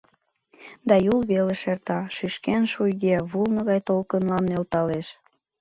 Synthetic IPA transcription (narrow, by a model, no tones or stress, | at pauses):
d̪ɑjulβeleʃert̪ɑʃyʃkenʃujɣeβulnə̆ɣɑjt̪olkənlɑnːelt̪ɑleʃ